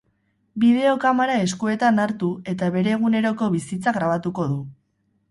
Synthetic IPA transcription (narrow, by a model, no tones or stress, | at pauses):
bið̞e̞o̞kamaɾae̞skue̞t̪anaɾt̪ue̞t̪aβe̞ɾe̞ɣ̞une̞ɾo̞ko̞βisit͡saɣɾaβ̞at̪uko̞ðu